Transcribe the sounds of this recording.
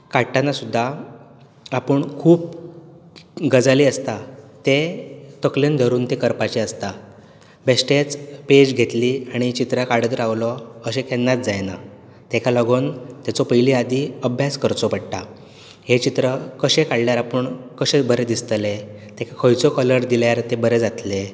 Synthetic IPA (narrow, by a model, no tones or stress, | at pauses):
kaʈanasud̪ʱːa | apəɳkʰuːp̚ | ɡəd͡zaliəst̪at̪et̪əklind̪ʱəɾuːnt̪ikəɾpat͡ɕeəst̪a | besʈet͡sped͡ʑɡʱet̪liaɽ̃it͡ɕit̪ɾakaɽəd̪ɾaʋlɔəɕekenːat̪̚d͡zajna̰ | t̪ɛkʰaləɡont̪jat͡sɔpəɦjliad̪iəbʱjaskəɾt͡sɔpəɽʈa | het͡ɕit̪ɾəkəɕekaɽljaɾapəɳkəɕẽbəɾed̪ist̪le | t̪ekʰakʰəjt͡sɔkələɾd̪iljaɾt̪ebəɾed͡zat̪le